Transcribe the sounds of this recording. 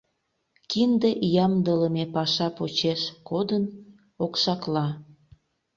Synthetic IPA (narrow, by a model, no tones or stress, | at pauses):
kind̪ejɑmd̪ələmepɑʃɑpot͡ɕeʃkod̪ən | okʃɑklɑ